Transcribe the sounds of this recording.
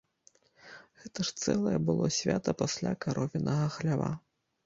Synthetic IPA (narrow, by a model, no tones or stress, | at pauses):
ɣɛt̪ɐʂt̪sɛlˠɐjɛbɨlˠɔsʲvʲat̪ɐpasʲlʲakaɾɔvʲinʔɐɣɐxlʲava̰